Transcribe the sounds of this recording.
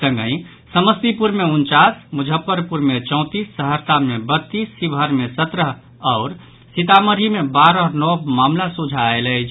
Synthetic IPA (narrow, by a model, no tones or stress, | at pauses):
sə̃ŋɡə̃ɪ̃ | səməst̪ipuɾmeunt͡ʃasmud͡ʒʱəpːəɾpuɾmet͡ʃɔ̃ʊ̃t̪isːəɦəɾsamebət̪ːisːibʱəɾmesət̪ɾəɦ | aʊɾ | sit̪aməɾimebaɾənɔbmamlasud͡ʒʱaelət͡ʃʰ